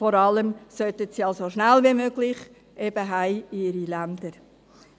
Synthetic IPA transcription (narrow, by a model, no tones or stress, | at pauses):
fɔɾɑləmsœtətsiɑlsoʃnælviːmøɡlɪχ | ʔeb̥əɦæɪɪɾilændəɾ